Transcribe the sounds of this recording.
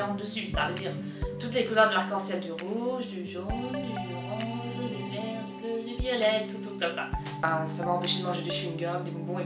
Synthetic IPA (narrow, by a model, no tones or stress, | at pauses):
ɑ̃d̪əsysa̰vəd̪iʁ | t̪ut̪lekulœʁd̪əlaʁkɑ̃sɛtd̪yʁuʒd̪yʒɔnd̪yyʁɑ̃ʒlyvɛʁləlevjɔlɛt̪ːut̪ukɔmsa̰ | sasamaɑ̃peʃed̪əmɑ̃ʒed̪eʃynɡʲœd̪ebɔ̃bɔ̃e